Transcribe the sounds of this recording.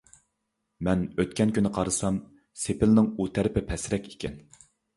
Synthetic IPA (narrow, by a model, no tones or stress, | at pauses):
mɛnøt̪̚kʲɛnkʲynɪqʰɑɾɨsɑm | sepɪlnɪŋut̪ʰæɾɪpɪpʰɛsɪɾɛkʲikʲʰɛn